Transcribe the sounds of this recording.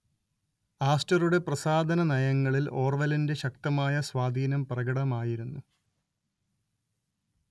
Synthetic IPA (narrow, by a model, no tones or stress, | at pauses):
aːstɐruɽe̞prɐsaːd̪ʱɐnɐnɐjɐŋːɐɭilo̞ːrʋɐlinde̞ɕɐk̚t̪ɐmaːjɐswaːd̪ʱiːnɐmprɐɡɐɽɐmaːjiɾunːu